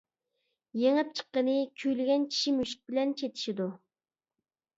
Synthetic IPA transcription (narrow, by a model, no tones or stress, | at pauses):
jeŋɪp̚t͡ʃʰə̥qːənɨkʲʰyjlɪɡʲɛnt͡ʃʲʰi̥ʃimyʃi̥k̚bɪlɛnt͡ʃʰet̪ʰi̥ʃid̪u